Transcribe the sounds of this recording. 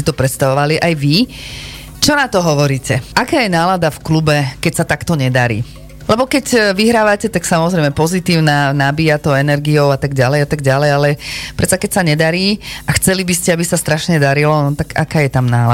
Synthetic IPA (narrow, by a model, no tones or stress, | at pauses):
it̪ɔpɾɛt̪st̪aʋɔʋaliʔajʋi | t͡ʃɔnat̪ɔɦɔʋɔɾiːcɛakaːjɛnaːlad̪afklubɛkɛcsat̪akt̪ɔɲɛd̪aɾḭː | lɛbɔkɛcʋiɦɾaːʋacɛt̪aksamɔzɾɛjmɛpɔzit̪iːʊnaːnabiːjat̪ɔʊɛnɛɾɡijɔʊat̪aɡɟalɛjat̪aɡɟalɛjalɛpɾɛt̪t͡sakɛcsaɲɛd̪aɾiːʔaxt͡sɛlibiscɛabisast̪ɾaʃɲɛd̪aɾilɔnɔt̪aka̰kaːjɛt̪amnaːla